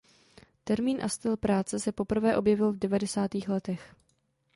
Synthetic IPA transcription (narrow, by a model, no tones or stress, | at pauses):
t̪ɛɾmiːnʔast̪ɪlpɾaːt͡sɛsɛpo̞pr̩vɛːʔo̞bjɛvɪlvdɛvadɛsaːt̪iːxlɛt̪ɛx